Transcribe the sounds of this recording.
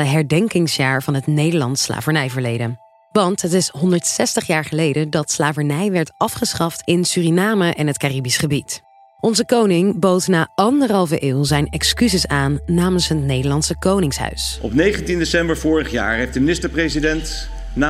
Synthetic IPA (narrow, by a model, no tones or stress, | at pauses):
əɦɛɹdɛŋkɪŋsjaːɹvɑnɦətnejdəɹlɑnsla̰ːvəɹnɛjvəɹlejdən | ʋɑntɦətɪsɦɔndəɹtsɛstəχjaːɹχəlejdədɑtslaːvənɛjʋɛɹtɑfχəsχɑftɪnsyːrinaːməʔɛnɦətkaːribisχəbit | ʔɔnzəkownɪŋbowtnaːɑndəɹɦɑlˠvəʔɪːlˠzɛjnɛkskyzɪsaːnːaːmənsɦətnejdəɹlɑnsəkownɪŋsɦœ̰ɥsɔ̰pnejχəntindesɛmbəɹvʊːɹəχja̰ːɹɦejfdəminɪstəɹprezidɛnt | na